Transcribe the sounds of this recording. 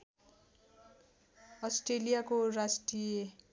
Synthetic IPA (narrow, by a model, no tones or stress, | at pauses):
ʌsʈrelijakorasʈrije